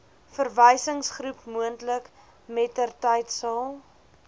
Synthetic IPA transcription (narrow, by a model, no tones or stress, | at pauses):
fərvəjsəŋsχrupmuəntlək | mɛtərtəjtsəlˠ